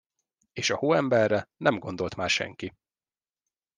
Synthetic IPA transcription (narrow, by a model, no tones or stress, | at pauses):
eːʃɒhoːɛmbɛrːɛnɛmɡond̪o̞lt̪maːrʃɛ̰ŋki